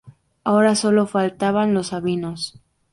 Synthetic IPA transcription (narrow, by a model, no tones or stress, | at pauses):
ao̞ɾaso̞lo̞falt̪aβanlo̞saβino̞s